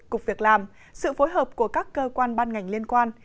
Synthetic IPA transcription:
kʊ˨˩k͡p̚vi˨˩ək̚laː˨˩m | sɨ̰˧˨fo˨˦jɦəː˨˩p̚ku˧˩əkaː˦˥kːəː˧kwaː˧nɓaː˧nŋa˨˩jŋ̟li˧ənkwaː˧n

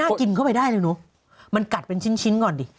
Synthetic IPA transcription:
aː˥˩ki˧nkʰa˥˩wpa˧jdaː˥˩jlɤː˧nu˨˦ | ma˧nka˨˩t̪̚pe˧nt͡ɕʰi˦˥nt͡ɕʰi˦˥nkɔː˨˩ndiː˧˦

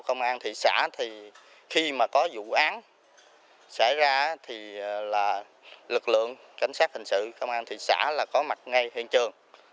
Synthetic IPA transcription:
kə˧wŋ͡mʔaː˧nt̪ʰi˧˨sa̰ː˧˥t̪ʰi˨˩ | xi˧maː˨˩kɔ˨˦zṵ˧˨ʔaː˨˦n | sa̰˧˩jzaː˧˦t̪ʰi˨˩laː˨˩ | lɨ˨˩k̚lɨ̰˧˨əŋ | ka˧˨˩jŋ̟saː˦˥t̚hï˨˩ŋ̟sɨ̰˧˨kə˧wŋ͡mʔaː˧nt̪ʰḭ˧˨sa̰ː˧˥laː˨˩kɔ˨˦ma˨˩t̚ŋa˧˩jhḭ˧˨ənt͡ɕɨ˨˩əŋ

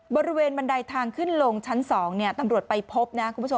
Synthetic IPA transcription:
bɔː˧ɾi˦˥weː˧nba˧ndaː˧jt̪ʰaː˧ŋkʰɯ˥˩nlo˧ŋt͡ɕʰa˦˥nsɔː˩˦ŋni˥˩ɐt̪a˧mɾu˨˩ət̪̚pa˧jpʰo˦˥p̚na˦˥kʰu˧mʰpu˦˥˦o˧m

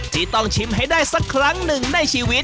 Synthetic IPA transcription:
t̪ʰiː˥˩t̪ɔ˥˩ŋt͡ɕʰi˦˥mɦa˥˩jdaː˥˩jsa˦˥kʰːɾa˦˥ŋnɯ˨˩ŋna˥˩jt͡ɕʰiː˧wi˦˥t̪̚

